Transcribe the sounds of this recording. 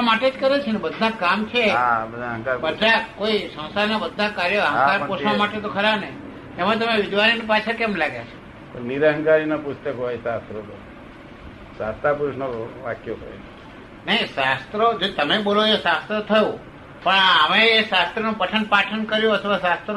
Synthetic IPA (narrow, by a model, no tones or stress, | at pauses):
amaʈed͡ʒkəɾet͡ʃʰenebəd̪ʱːakamt͡ʃʰeabəd̪ʱaɦə̃ŋkaɾbəd̪ʱakoisə̃w̃saɾnabəd̪ʱːakaɾjəɦə̃kaɾpoʃʋamaʈet̪̬okʰəɾabneː | mãt̪əmeʋɪd̪ʋaɾinipat͡ʃʰəkemlaɡjat͡ʃʰe̥ | pəniɾəɦənkaɾinapust̪əkɦoisast̪ɾot̪o | sast̪apuɾusnoʋakjot̪ʰə̰ene | nəiʃast̪ɾod͡ʒot̪əmeboloesast̪ɾot̪ʰəjũ | pəɳəmeːʃast̪ɾənũpəʈʰənpaʈʰənkəɾjũət̪ʰəʋasast̪ɾə